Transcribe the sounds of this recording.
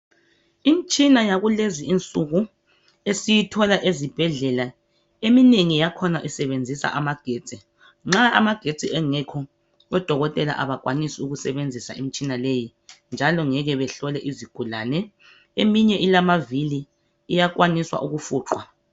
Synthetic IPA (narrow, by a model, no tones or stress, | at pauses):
im̩t͡ʃʼinajaɣuleziint͡sʼuɣu | esijitʰɔlaʔezib̥ʱɛɮɛla | emineŋijakʰɔnaʔisɛβend͡zʱisa̰ʔamaɡ̥ʱeːt͡sʼi | ŋ͡ǁaa̰maɡ̥ʱe̥t͡sʼiɛŋɛkʰɔ | ɛd̥ʱɔɣɔtʼɛla̰ʔa̰βak̬ʼwanisiuɣusɛβend͡zʱisa̰im̩it͡ʃʼinaleji | nd͡ʒʱalɔŋɛɣɛβɛɬɔlɛʔiziɡ̥ʱulanɛ | emiɲɛʔilamaviliː | jakwaniswa̰ʔuɣufuːǁʰwa